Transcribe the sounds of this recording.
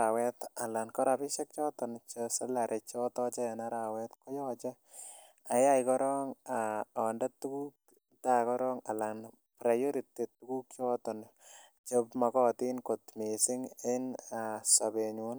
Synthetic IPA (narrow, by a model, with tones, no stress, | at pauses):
awɛ˦t̪a˨la˨nkɔ˦ɾapɪ˦ʃa˦k̚t͡ʃɔː˦tɔ˨nt͡ʃosa˦la˨ɾʔet͡ʃɔtɔ˦t͡ʃɛ˦na˦ɾa˨wɛ˦t̪ko˦jɔt͡ʃɛ | a˨ja˦jkɔ˦ɾɔ˦ŋaɔ˨ndat̪ːu˦ku˦k̚ | ta˨kɔ˦ɾɔŋa̰˨la˨n | pɾa˨jo˦ɾi˨tːi˨tːuku˦k̚t͡ʃɔ˦tɔn | t͡ʃepmakɔːtinkot̪misɪ˦ŋɪ˦nasabeɲun